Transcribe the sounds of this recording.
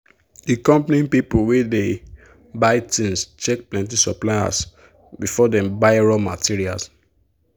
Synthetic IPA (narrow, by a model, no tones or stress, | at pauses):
dikɔ̃mpnĩpipowede | baɪtĩnst͡ʃɛk̚plɛ̃ntisɔplaja̰s | bifɔdɛ̃mbaɪɹɔmatiɹia̰ls